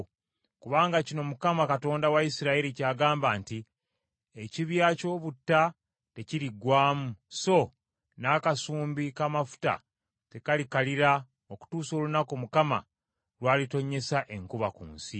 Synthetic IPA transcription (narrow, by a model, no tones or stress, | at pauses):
kuβaːŋɡacino̞mukamakato̞ːndawaisiɾaiɾicaːɡaːmbaːnti | eciβjaːco̞ːβutːa | te̞ciɾiɡwaːmuso̞ | naːkasuːmbikamafu̥ta̰ | te̞kalikaliɾa | oku̥tuːso̞ːlunako̞mukama̰ | ɾwaːlito̞ɲe̞saʔe̞ŋkuβakṵːnsi